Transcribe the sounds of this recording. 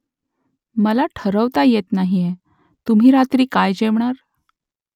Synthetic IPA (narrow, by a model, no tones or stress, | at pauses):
məlaʈʰəɾəʋt̪ajet̪naɦije | t̪um̤iːɾat̪ɾiːkajd͡ʑeʋɳaɾ